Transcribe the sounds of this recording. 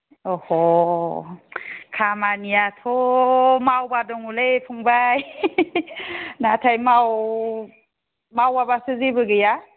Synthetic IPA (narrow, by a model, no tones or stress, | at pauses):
ɔhɔ | kʰamanijatʰɔmawbadɔŋulepʰuŋbaj | natʰajmaw | mawabasɯzibɯɡɯja